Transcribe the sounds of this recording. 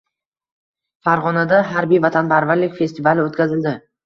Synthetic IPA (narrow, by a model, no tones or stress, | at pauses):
faɾʁɒnad̪aɦaɾbijvat̪ʰanpʰaɾvaɾlɪkʲfe̞st̪ɪvalɪot̪ʲkʲazɪld̪ɪ